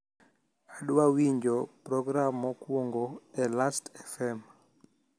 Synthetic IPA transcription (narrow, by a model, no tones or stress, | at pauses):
aɗwawiɲd͡ʒɔpɾɔɡɾamɔkwoŋɡoɛlastɛfɛm